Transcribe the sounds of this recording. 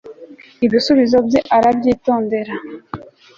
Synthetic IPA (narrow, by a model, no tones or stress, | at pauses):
iβisuβizo̞bjeʔaɾabɟiːto̞ːnde̞ɾa